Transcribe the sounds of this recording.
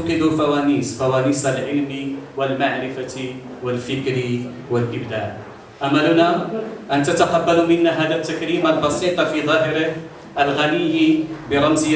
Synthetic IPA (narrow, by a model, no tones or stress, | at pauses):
qɪd̪ufawaːniːsfawaːniːsalʕɪlmiwɪlmaʕɾɪfa | wɪlfɪkɾi | wɪlʔɪbd̪aːʕ | ʔamːalʊnaʔant̪at̪aħabːalumɪnːaɦaːd̪at̪ːakɾiːmalbɑsiːt̪ˤɑfiðˤɑːɦɪɾɪ | ʔalɣanɪjːibəɾˤɑmzː